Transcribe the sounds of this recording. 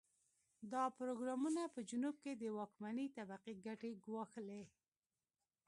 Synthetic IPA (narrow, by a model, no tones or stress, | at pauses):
d̪ɑpʊɾoɡɾɑmunapəd͡ʒʊnub̚ked̪əwɑkmanit̪abaqiɡaʈeɡwɑxle